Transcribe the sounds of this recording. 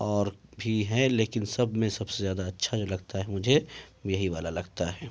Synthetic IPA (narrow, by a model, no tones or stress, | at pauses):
ɔːɾbʱiɦɛleːkɪnsɐbʱmẽsɐbsezjaːd̪aɐtːʃʰad͡ʒoːlɐɡt̪aɦɛmʊd͡ʒʱejɐɦiʋaːlalɐɡt̪aɦɛː